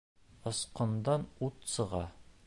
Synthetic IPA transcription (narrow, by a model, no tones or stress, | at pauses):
ɤ̆sqɤ̆nd̪ɑnut̪sɤ̆ʁɑ̰